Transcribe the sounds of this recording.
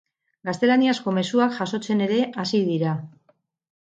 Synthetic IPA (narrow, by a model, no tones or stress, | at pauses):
ɡast̪e̞laniasko̞me̞suakʝaso̞t͡se̞ne̞ɾe̞ʔasiðiɾa